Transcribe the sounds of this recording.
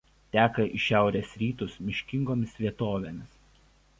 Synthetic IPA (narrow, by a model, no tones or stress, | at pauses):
t̪ʲæːkɐʔiʃʲæˑʊɾʲeːsɾʲiːt̪ʊsmʲɪʃʲkʲɪŋɡoːmʲɪsʋʲiɛt̪oːʋʲeːmʲɪs